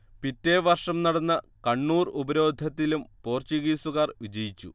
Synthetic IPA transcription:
pitːe̞ʋɐrʂɐmnɐɽɐnːɐ | kɐɳːuːrubɐɾo̞ːd̪ʱɐt̪ːilumpo̞ːrt͡ɕiɣiːsuɣaːrʋid͡ʑɐjit͡ɕːu

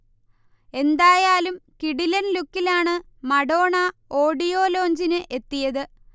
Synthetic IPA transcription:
e̞nd̪aːjaːlumkiɽilɐnlukːilaːɳɨ | mɐɽo̞ːɳɐoːɽijo̞ːlo̞ːɲd͡ʑinɨʔe̞t̪ːijɐðɨ

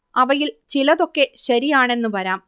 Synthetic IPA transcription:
ɐʋɐjilt͡ɕilɐðo̞kːe̞ɕɐɾijaːɳe̞nːɨpɐɾaːm

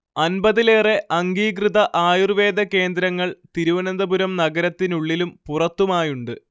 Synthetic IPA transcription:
ɐnbɐðileːre̞ʔɐŋɡiːkrɨðɐʔaːjurʋe̞ːd̪ɐke̞ːnd̪ɾɐŋːɐɭt̪iɾuʋɐnɐnd̪ɐbuɾɐmnɐɡɐɾɐt̪ːinuɭːilumpurɐt̪ːumaːjuɳɖɨ

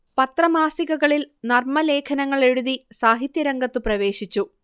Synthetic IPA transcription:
pɐt̪rɐmaːsiɣɐɣɐɭilnɐrmɐle̞ːkʰɐnɐŋːɐɭe̞ɽuðisaːɦit̪jɐɾɐŋɡɐt̪ːɨprɐʋe̞ːɕit͡ɕːu

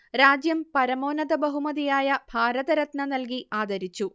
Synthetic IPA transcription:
ɾaːd͡ʑjɐmpɐɾɐmo̞ːnɐðɐbɐɦumɐðijaːjɐbʱaːɾɐðɐɾɐt̪nɐnɐlk̬iaːd̪ɐɾit͡ɕːu

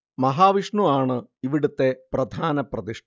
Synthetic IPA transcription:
mɐɦaːʋiʂɳuaːɳɨiʋiɽut̪ːe̞prɐd̪ʱaːnɐprɐd̪iʂ

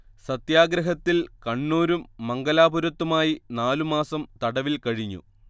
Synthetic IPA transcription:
sɐt̪jaːɡɾɐɦɐt̪ːilkɐɳːuːɾumːɐŋɡɐlaːbuɾɐt̪ːumaːjinaːlumaːsɐmt̪ɐɽɐʋilkɐɻiɲːṵ

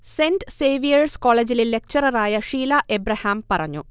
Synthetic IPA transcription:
senseːʋijɐrskoːɭed͡ʑililːek̚t͡ɕɐɾɐraːjɐʂiːlaʔebɾɐhaːmpɐrɐɲːṵ

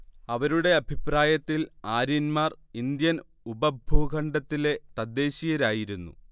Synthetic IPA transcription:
ɐʋɐɾuɽe̞ɐbʱipraːjɐt̪ːilaːɾinmaːrind̪jɐn | ubɐbʱuːɡʱɐɳɖɐt̪ːile̞t̪ɐd̪ːe̞ːɕijɐɾaːjiɾunːṵ

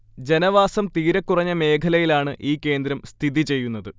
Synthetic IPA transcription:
d͡ʑe̞nɐʋaːsɐmt̪iːɾɐkːurɐɲːɐme̞ːkʰɐlɐjilaːɳɨʔiːkːe̞ːnd̪ɾɐmst̪ʰiðit͡ɕe̞jːunːɐðɨ

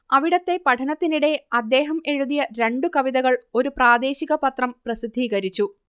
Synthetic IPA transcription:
ɐʋiɽɐt̪ːe̞pɐʈʰɐnɐt̪ːiniɽe̞ɐd̪ːe̞ːɦɐme̞ɻuðijɐɾe̞ɳɖukɐʋiðɐɣɐɭo̞ɾupraːd̪e̞ːɕiɣɐpɐt̪rɐmprɐsid̪ʱːiːɣɐɾit͡ɕːu

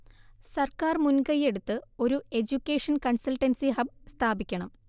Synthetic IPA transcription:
sɐrkaːrmunɡɐje̞ɽut̪ːɨo̞ɾue̞d͡ʑukʲːeːʂɐnkɐɳsɐlʈɐnsiɦɐbst̪ʰaːbikʲːɐɳɐm

